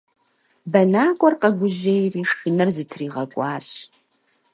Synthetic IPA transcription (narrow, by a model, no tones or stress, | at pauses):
bɐnaːkʷʼɔrqɐɡʷʊʑejriːʃɨnɐrzɨtʰriːʁɐkʷʼɑːɕ